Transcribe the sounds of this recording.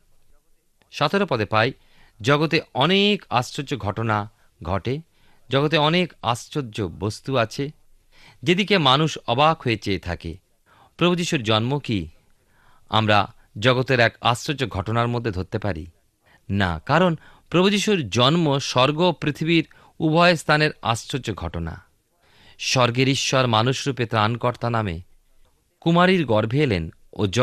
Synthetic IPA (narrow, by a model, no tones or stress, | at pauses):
ʃɔt̪ʰoɾopɔd̪epaj | d͡ʑɔɡot̪eɔneka̰sod͡ʑoɡʱɔʈona | ɡʱɔʈe | d͡ʑɔɡot̪̬eɔneka̰st͡ɕodːʑobost̪uat͡ɕʰe | d͡ʑed̪ikemanuʃɔbakʰoet͡ɕeet̪ʰa̰kḛ | pɾobʱud͡ʑiʃuɾd͡ʑɔnmoki | a̰mɾa | d͡ʑɔɡot̪eɾɛka̰sɾod͡ʑoɡʱɔʈonaɾmod̪ʱːed̪ʱoɾt̪ːepaɾḭ | na̰kaɾon | pɾobʱud͡ʑiʃuɾd͡ʑɔnmoʃɔɾɡopɾit̪ʰibiɾ | ubʱɔest̪ʰaneɾa̰sɾod͡ʑoɡʱɔʈona̰ | ʃɔɾɡeɾiʃːɔɾmanuʃɾupet̪ɾankɔɾt̪anamḛ | kumaɾiɾɡɔɾbʱeelḛn | o̰d͡ʑ